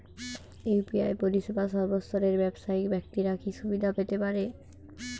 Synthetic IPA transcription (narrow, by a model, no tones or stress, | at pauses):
eupiajpoɾiʃebaʃɔɾbost̪ʰɔɾeɾbɛbʃaikbɛkt̪iɾakʰiʃubid̪ʱapet̪epaɾe